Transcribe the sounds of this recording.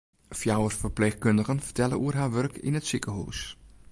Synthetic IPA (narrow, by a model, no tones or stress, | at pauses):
fjawərsfərplexkøndəɣənfərtʰɛlə̰ʔuərɦaːʋørkʰɪ̰nətsikəɦṵːs